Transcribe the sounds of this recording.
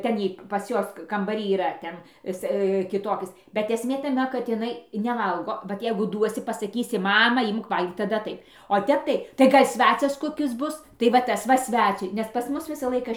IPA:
ˈtʲɛn iː pɐs ˈjuɔs kɐmbɐˈrʲiː iːˈrɐ ˈtʲɛn ˈɪs kʲɪˈtoːkʲɪs bʲɛt ɛsʲˈmʲeː tɐˈmʲɛ kɐt ɪˈnɐɪ nʲɛˈʋɐlˠɡoː ʋɐt ˈjɛɪɡʊ ˈduɔsʲɪ pɐsɐˈkʲiːsʲɪ ˈmɑːmɐ ˈɪmk ˈʋɐlʲɡʲiːk tɐˈdɐ ˈtɐɪp oː ˈtʲɛp tɐɪ tɐɪ ˈɡɐlʲ ˈsʲʋʲæːt͡sʲɛs ˈkoːkʲɪs ˈbʊs tɐɪ ʋɐ ˈtɐs ʋɐ ˈsʲʋʲæt͡sʲʊɪ nʲɛs ˈpɐs ˈmʊs ˈʋʲɪsɐ ˈlˠɐɪkɐ

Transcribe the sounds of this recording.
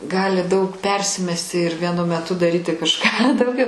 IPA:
ˈɡɑːlʲɪ dɐʊk ˈpʲɛrʲsʲɪmʲɛsʲtʲɪ ɪr ʋʲiɛˈnʊ mʲɛˈtʊ dɐˈrʲiːtʲɪ kɐʃˈkɑː dɐʊˈɡʲɛʊ

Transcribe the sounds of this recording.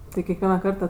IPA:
ˈtɐɪ kʲɛkˈʋʲiɛnɐ ˈkɐrtɐ

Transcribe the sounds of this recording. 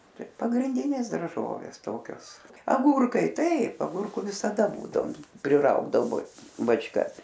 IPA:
ˈtɐɪ pɐɡrʲɪnʲˈdʲɪnʲeːs dɐrˈʒoːʋʲeːs ˈtoːkʲoːs ɐˈɡuːrkɐɪ ˈtɐɪp ɐˈɡʊrkʊ ʋʲɪsɐˈdɐ ˈbuːdɐoːm pʲrʲɪˈrɐʊɡdɐʋoː bɐt͡ʃˈkɐs

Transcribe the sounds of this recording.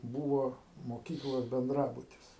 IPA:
ˈbuːʋoː moːˈkʲiːklˠoːs bʲɛnˈdrɑːbʊtʲɪs

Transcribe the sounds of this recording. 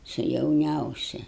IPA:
sʊ jɛʊˈnʲɛʊsʲɪ

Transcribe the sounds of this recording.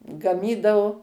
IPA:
ɡɐˈmʲiːdɐʋʊ

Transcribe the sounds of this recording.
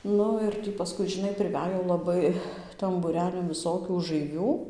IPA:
ˈnʊ ɪr ˈtʲiː pɐˈskʊɪ ʒʲɪˈnɐɪ pʲrʲɪˈʋʲæj jɛʊ lˠɐˈbɐɪ tɐm buːˈrʲæːlʲɪn ʋʲɪˈsoːkʲuː ʊʒɐɪˈʋʲuː

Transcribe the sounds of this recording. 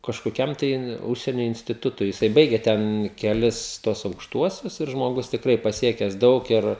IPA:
kɐʃkoːˈkʲɛm tɐɪ ˈʊʃʲsʲiɛnʲoː ɪnʲsʲtʲɪˈtʊtʊɪ jɪˈsɐɪ ˈbɐɪɡʲɛ ˈtʲɛn kʲɛˈlʲɪs tuɔs ɐʊkʃˈtuɔsʲʊs ɪr ʒmoːˈɡʊs tʲɪkˈrɐɪ pɐˈsʲiɛkʲɛs ˈdɐʊk ɪr

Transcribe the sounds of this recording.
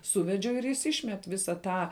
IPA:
ˈsuːʋʲɛd͡ʒʲɛʊ ɪr jɪs ˈiːʃʲmʲɛt ˈʋʲɪsɐ ˈtɑː

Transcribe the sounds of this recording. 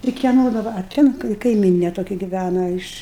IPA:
ɪr kʲiɛˈnoː dɐˈbɐ ɐ ˈtʲɛn kɐɪ kɐɪˈmʲiːnʲeː toːˈkʲɛ ɡʲɪˈʋʲænɐ ɪʃ

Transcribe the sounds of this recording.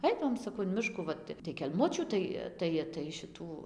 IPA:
ˈɐɪdɐʋoːm sɐˈkɐʊ ɪn ˈmʲɪʃkuː ˈʋɐt tɐ tɐɪ kʲɛlˠˈmʊt͡ʃʲuː ˈtɐɪ ˈtɐɪ tɐɪ ʃʲɪˈtuː

